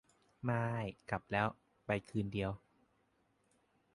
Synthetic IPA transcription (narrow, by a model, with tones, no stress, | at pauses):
maː˧jka˨˩p̚lɛː˦˥w | pa˧jkʰɯː˧ndi˧əw